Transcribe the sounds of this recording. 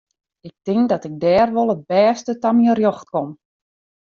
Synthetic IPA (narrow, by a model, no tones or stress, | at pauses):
ɪk̚tɪŋdɔtɪk̚dɛːrʋolˠət̚bɛːstətamiərjoxt̚kom